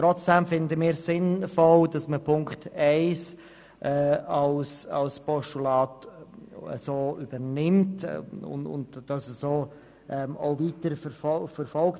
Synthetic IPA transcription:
tɾɔt͡sd̥ɛmfɪndəmiːɾsɪnfɔld̥ɑsməpʰʊŋktɛɪs | ʔɛːɑlsɑ̰lspʰɔʃtulɑːt | ə̰soːybəɾnɪmtʊ̰nʊ̰ndd̥ɑsəsoː | ʔɛmo̰ʊviːtəɾfəfɔfəɾfɔlk

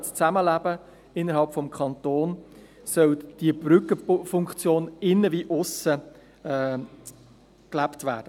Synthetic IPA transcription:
t͡st͡sæməlæb̥ə | ɪnːəɾɦɑlpfɔmkʰχɑntoːn | sœld̥ibɾʏkːəfʊŋkt͡sjoːnɪnːəviʔʊsə | ɛː | klæptvæ̰ːd̥ə

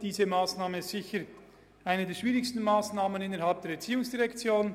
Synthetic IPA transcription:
d̥iːzəmaːsnaːməzɪçəɾ | ʔaɪnədeːɐʃv̥iːʁɪçstn̩maːsnaːmənɪnəɾɦalp̚d̥eːɐɾɛɐt͡siːʊŋsd̥iʁɛkt͡sjoːn

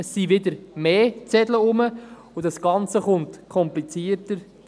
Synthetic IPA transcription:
əsːiʋɪd̪əɾmeːt͡sɛdləʊmə | udɑsɡ̥ɑnt͡səχʊntkʰɔmplit͡siəɾtəɾ

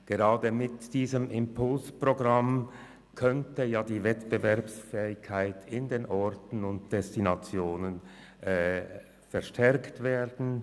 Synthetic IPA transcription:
ɡ̥əʁɑːdəmɪtd̥iːzəmɪmpʰʊlspʁ̥oɡʁam | kʰœntəjaːdiːvɛtb̥əvɛɐpsfɛːɪkʰːaɪtʰɪndeːnʔɔʁtn̩ʊnt̚d̥ɛstinat͡sjoːnənː | fɛɐʃtʰɛʁktv̥eːʁdn̩

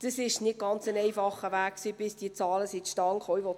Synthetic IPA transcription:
d̥əsɪʃnɪɡ̥ɑnt͡sənɛjfɑχəʋæːkksiːb̥ɪsd̥iət͡sɑːləsitʃtɑŋχɔjʋɔt

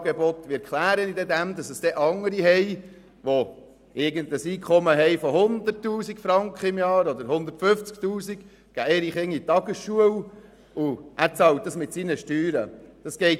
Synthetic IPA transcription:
ɡebɔt̪ʋɪkʰχlæːɾənidɛd̪æmd̪ɑsəsd̥ɛʔɑŋəɾiɦɛj | ʋo | ɪɾɡəndəsiːkʰχɔməɦɛɪfɔɦʊnd̪ərtːuːsikfɾɑŋkχəɪmjɑːɾɔd̪əɾhʊnd̪ərtfʏft͡sk̚tuːsik | ɡ̥æeɾiχɪŋːitɑɡəsʃuəw | uʔæːɾt͡sɑlt̚dɑsmɪtsinəʃtyːɾəd̪̥ɑsɡ̥ɛɪt

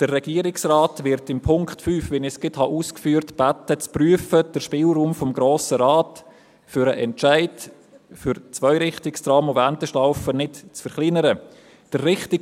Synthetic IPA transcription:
d̥ərːɛɡ̥iəɾɪksraːtʋɪɾtɪmpʰʊŋkχtfyːfʋɛnɪskɪthɑʔuːskfyːɾtb̥atət͡spryəfəd̥əɾʃpɪːlruːmfɔmɡɾoːsəɾɑːt | fʏɾəʔɛntt͡ʃaɪt | fʏɾt͡svœʏɾɪχtɪkstrɑːmʊfæntəʃlaʊfənɪtt͡sfəɾχlɪnəɾə | d̥ərːɪχtɪ

